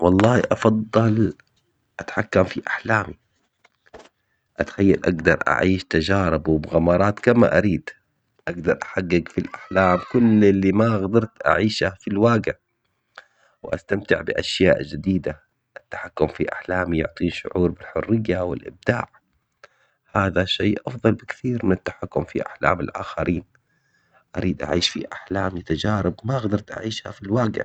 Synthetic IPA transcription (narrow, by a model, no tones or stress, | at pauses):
wɑlˤːɑːhiʔɑfɑd̪ˤːɑl | ʔat̪ħakːamfiʔaħlaːmi | ʔat̪xajːalʔaɡd̪ɑɾˤʔa̰ʕiːʃt̪ad͡ʒɑːɾˤɪbwɪbɣamɑːɾˤɑːt̪kama̰ʔaɾiːd̪ | ʔaɡd̪ɑɾˤʔḁħaɡːɪɡfilʔaħlaːmkʊlɪlːimaɣd̪ɑɾˤt̪ʔa̰ʕiːʃafilwaːɡa | wɪʔa̰st̪amt̪ɪ̰ʕbɪʔaʃjaːʔd͡ʒɪd̪iːd̪a | ʔɪt̪ːḁħakːʊmfiʔaħlaːmjʊ̰ʕt̪ˤiːnʃʊ̰ʕuːɾbɪlħʊrːɪjːawɪlʔɪ̰b̚d̪a̰ːʕ | haːðaʃeːʔɑfðˤɑlbɪkθiːɾmɪnat̪ːḁħakːʊmfḭʔa̰ħla̰ːmɪlʔa̰ːxaɾʔiːn | ʔa̰ɾʔiːd̪ʔa̰ʕiːʃfḭʔaħlaːmjɪt̪ad͡ʒaːɾˤɪbmaʔɣd̪ɑɾˤt̪ʔa̰ʕiːʃha̰filwaːɡɪ̰ʕ